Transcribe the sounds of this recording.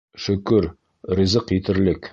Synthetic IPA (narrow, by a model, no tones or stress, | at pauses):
ʃɵ̆kɵɾ | rĭzɤqjit̪ɘ̆ɾlɘk